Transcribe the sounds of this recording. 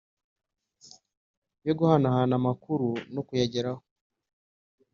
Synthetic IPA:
joɡuhanahanamakuɾunokujaɟeɾaho

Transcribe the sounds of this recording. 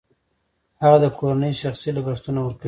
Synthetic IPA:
haɣad̪əkʰoɾanəjʃaxsilaɡaʂt̪unawəɾka

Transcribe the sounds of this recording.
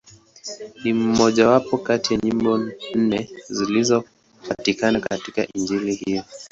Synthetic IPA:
nim̩mɔʄawapɔkatijaɲimbɔn̩nɛzilizɔ | patikanakatika̰ʔind͡ʒilihiɔ

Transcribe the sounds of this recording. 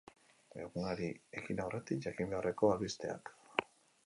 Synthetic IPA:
ḛɣunaɾie̞kinawre̞t̪ikʝakimbe̞are̞ko̞alβist̪e̞a̰k

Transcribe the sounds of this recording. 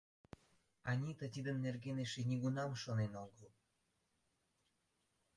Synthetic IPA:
ɑnʲit̪ət̪ʲid̪ənːerɡeneʃenʲiɡunɑmʃonenoɡəl

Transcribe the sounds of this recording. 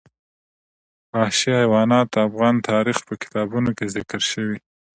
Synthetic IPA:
wɑʃiajwɑnɑt̪afɣɑnt̪ʰɑɾixpəkɪ̥t̪ɑbunokezɪkɾʃəwi

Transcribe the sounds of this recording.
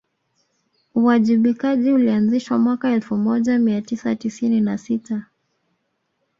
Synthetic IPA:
uwaʄiɓikaʄiulianziʃwamwakaɛlfumɔʄamiatisatisininasita

